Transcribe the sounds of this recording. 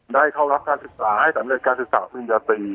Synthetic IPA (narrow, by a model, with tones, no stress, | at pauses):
daː˥˩jkʰa˥˩wɾa˦˥p̚kaː˧nsɯ˨˩k̚saː˩˦ha˥˩jsa˩˦mɾe˨˩t̪̚kaː˧nsɯ˨˩k̚sa̰ː˩˦mi˧njaː˧t̪iː˧